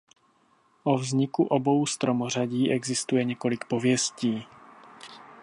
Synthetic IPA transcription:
ʔovzɲɪkuʔobo̞wst̪ɾomor̝aɟiːʔɛɡzɪst̪ujɛɲɛko̞lɪkpo̞vjɛsciː

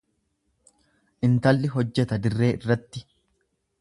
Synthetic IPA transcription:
ʔɪnt̪ɐlːɪɦɔd͡ʒːɛt̪ɐd̪ɪrːe̞ːʔɪrːɐt̪ːɪ

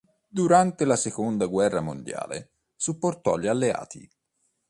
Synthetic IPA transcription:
d̪uɾant̪elasekond̪aɡwɛrːamo̰nd̪ja̰ːlḛ | supːort̪ɔʎːalːea̰ːt̪ʰḭ

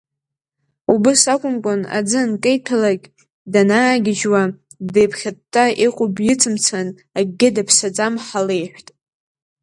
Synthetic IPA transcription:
ubɨsakʷʼʊmkʷʼʊna̰d͡zɨnkʼejtʰalakʲʼ | danaːɡʲɪd͡ʒwa | dejpʰχʲatʰʼːaiqʷʼʊbjɪt͡sʰɨmt͡sʰan | aɡʲːɪdapʰsad͡zʼamħale̞jħʷtʼ

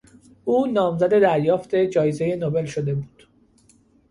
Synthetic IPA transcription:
ʔuːnɒːmzæd̪e̞d̪æɾjɒːft̪e̞d͡ʒɒːjezeje̞nobe̞lʃo̞d̪e̞buːd̪̥

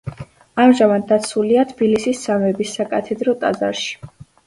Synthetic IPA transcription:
amʒamad̪̚ːat̪sʰuliat̪ʰb̥ilisisːamɛbisːakʼat̪ʰɛd̪ɾɔt̪ʼa̰za̰ɾʃi̥

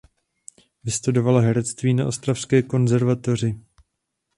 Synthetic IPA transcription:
vɪst̪udo̞valaɦɛɾɛt͡st̪viːnaʔo̞st̪ɾafskɛːko̞nzɛɾvat̪o̞r̝ɪ

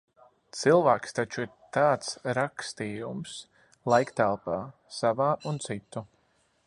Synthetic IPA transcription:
t̪silˠvaːkst̪at͡ʃuiɾt̪aːt̪sɾakst̪iːjums | lˠajkt̪ælˠpaː | savaːunt̪sit̪ːu

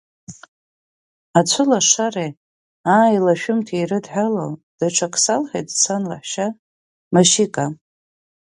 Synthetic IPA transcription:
at͡ɕʷʰʊlaʂare | aːilaʃᶣʊmtʰerɨdħalowd̥aʈ͡ʂʷʰakʰʼsalħejtʼsanla̰ħʃa | maʃikʼa

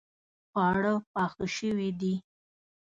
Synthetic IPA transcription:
pɑɽəpɑxəʃəwid̪i

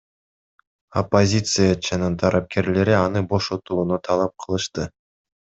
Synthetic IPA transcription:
opːozʲit̪sɨjat͡ʃanɯnt̪ʰɑɾʔɑp̚ke̞ɾle̞ɾiɑnɯbo̞ʃo̞t̪uːnot̪ʰɑlˠɑp̚qʰɯlˠɯʃt̪ɯ

